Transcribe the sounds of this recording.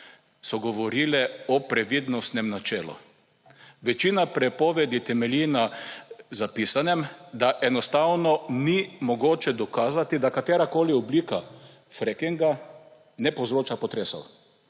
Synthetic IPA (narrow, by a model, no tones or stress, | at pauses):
sɔɡɔʋɔɾiːlɛɔpɾɛʋiːd̪nɔst̪nɛmnat͡ʃɛːlɔ̰ | ʋɛt͡ʃiːnapɾɛpɔʋɛd̪it̪ɛmɛlina | zapiːsanɛmd̪aʔɛnɔst̪awnɔnimɔɡoːt͡ʃɛd̪ɔkaːzat̪id̪akat̪ɛːɾakoːliɔbliːka | fɾɛkiŋɡa | nɛpɔwzɾoːt͡ʃapɔt̪ɾeːsɔ̰w